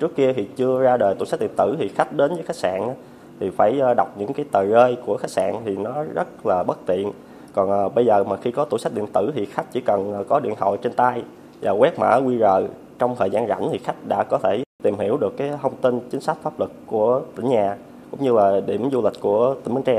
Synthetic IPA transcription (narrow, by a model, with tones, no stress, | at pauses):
t͡ɕɨ˦˥əkːi˧ət̪ʰi˨˩t͡ɕɨ˧əzaː˧ɗəː˨˩jt̪ṵ˧˩sa˦˥t̚ɗ̪ḭ˧˨ənt̪ɨ̰˧˩t̪ʰi˨˩xa˦˥k̚ɗe˨˦nzəː˨˦jxa˦˥k̚sa̰ː˧˨nʔ | t̪ʰi˨˩faː˧˩jɗa˨˩wk͡p̚ɲɨ̰˧˥ŋkaː˨˦jt̪əː˨˩jɣəː˧jku˧˩əxa˦˥k̚sa̰ː˧˨nt̪ʰi˨˩nɔ˨˦zə˦˥t̚laː˨˩ɓə˦˥t̚t̪ḭ˧˨ən | kɔ˨˩nʔːɓə˧jzəː˨˩maː˨˩xi˧kɔ˨˦t̪ṵ˧˩sa˦˥ɗ̪ḭ˧˨ənt̪ɨ˧˩t̪ʰi˨˩xa˦˥k̚t͡ɕḭ˧˥kə˨˩n˨˩kɔ˨˦ɗḭ˧˨ənɦo̰˧˨t͡ɕe˧nt̪aː˧j | zaː˨˩ɣwɛ˦˥k̚ma̰ː˧˥ɣwi˧ɣəː˨˩ | t͡ɕɔ˧wŋ͡mt̪ʰəː˨˩jzaː˧nɣa̰˧˩nt̪ʰi˨˩xa˦˥jk̟̚ɗa̰ː˧˥kɔ˨˦t̪ʰe˧˩t̪i˨˩mhi˧˩əwɗɨ˨˩əkːaː˨˦jh̪ʰə˧wŋ͡mt̪i˧nt͡ɕi˨˦ŋ̟sa˦˥k̟̚faː˦˥p̚lɨ˨˩kkːu˧˩ət̪ï˧˩ŋɲaː˨˩ | kʊ̰˧˥ŋ͡mɲɨ˧laː˨˩ɗḭ˧˩əmzu˧lï˨˩k̟̚ku˧˩ət̪ï˧˩ŋm˧ŋt͡ɕɛ˧